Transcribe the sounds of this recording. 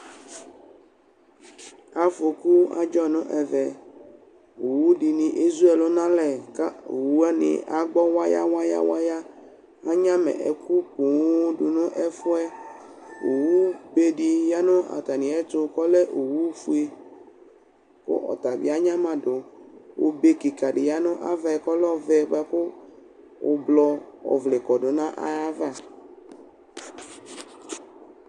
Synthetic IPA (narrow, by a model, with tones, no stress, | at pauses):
a˨fo˨ku˦a̰˦d͡ʒɔ˦nʊ̃˦ʔɛ˨vɛ˨ | o˨wu˦ɖi˨nĩ˨ʔi˦zu˦ɛ˨lo˦nã˦lɛ˨ka˦o˨wu˦a˦nɪ̰̃˨a˨ɡ͡bɔ˦wa˦ja̰˦wa˦ja̰˦wa̰˦ja˦ | a˦ɲã˦mɛ̰̃˨ʔɛ̰˨ku˦p̚ũ˨˦ɖu˨nʊ̃˦ʔɛ˦fʊ˦ɛ˦ | o˨wu˦be˦ɖi˦ja˦nʊ̃˦a̰˨t̪a˨nĩ˨ɛ˦to˦kɔ˦le˦ʔo˨wu˦fu˦e˦ | ko̰˦ʔɔ̰˨t̪a˨bḭ˦a˦ɲã˦mã˦˨do˨wo̰˨be˦ki˨ka˨ɖe˨ja˦nʊ̃˦ʔa̰˦va˦ɛ˨kɔ˦lɔ˦vɛ˦˨ɡ͡ba˦ko˦ | o̰˨blɔ˦ɔ̰˨vle˨kɔ˨ɖo˨nã˦ʔa̰˦a˦va˦˨